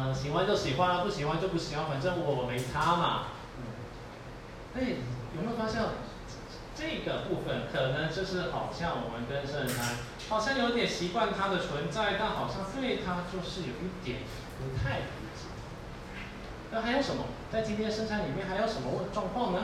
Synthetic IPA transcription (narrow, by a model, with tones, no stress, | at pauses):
ɕi˨˩xwa˥˧nt͡ɕjo˥˩ʊɕi˨˩xwa˥˧nlə˨˩pu˥˩ɕi˨˩xwa˥nt͡ɕjo˥˧ʊp̬u˥˩ɕi˨˩xwa˥˧nwa˧˥nʈ͡ʂə˥ŋu˧˩ɔ˧˩wme˧˥ɪt͡sʰa˥mɐ̰˨˥˩ | e˥˩jo˨˩ʊme˧˥jo˨˩fa˥ɕjɑ˥˩ŋ˥ | ʈ͡ʂɤ˥˩ɡə˩pu˥˧˩fə˩nkʰɤ˨˩nə˧˦˥ŋt͡ɕjo˥˧ʂɻ̩˥˩xɑ˨˩ʊɕjɑ˥˩ŋwɔ̰˨˩mə˦nkə˥nʂə˥˧nʈ͡ʂʰa˧˥n | xɑ˨˩ʊɕjɑ˥˩ŋjo˧˥t̪jɛ˨nɕi˧˥kwa˥˩nt̪ʰa˥d̪ə˨t͡sʰwə˧˥nt͡sa˥˧ɪt̪a˥˩nxɑ˨˩ʊɕjɑ˥˧ŋt̪we˥˩ɪt̪ʰa˥t͡ɕjo˥˧ʊʂɻ̩˥˩jo˨˩ʊi˥˩t̪jɛ˨˩˦n | pu˧˥t̪ʰa˥˩ɪə˩i˥˩t͡ɕḭ˨˩d̪ə˩˥˩ | xa˧˥ɪjo˧˥ʊʂə˧˥nmɐ̰˧t͡sa˥˩ɪt͡ɕi˥nt̪ʰjɛ˥ʂə˥˧nʈ͡ʂʰa˧˥nli˨˩mjɛ˥˩nxa˧˥ɪjo˧˥ʊʂə˧˥nmə˧wʈ͡ʂwɑ˥˧ŋkʰwɑ˥˩ŋnə˧˦